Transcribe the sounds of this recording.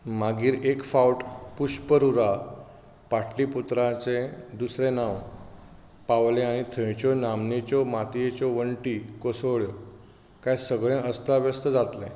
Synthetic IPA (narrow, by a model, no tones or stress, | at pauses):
maɡiːɾekfauʈpuɕpəɾuɾa | paʈʰliput̪ɾãt͡ɕẽd̪usɾẽnãw | paʋlẽaɽ̃it̪ʰə̃jt͡ɕɔnamnit͡ɕɔmat̪jet͡ɕɔʋəɳʈikosəʋɭjɔ | kajsəɡɭẽʔəst̪aʋjəst̪əd͡zat̪lḛ̃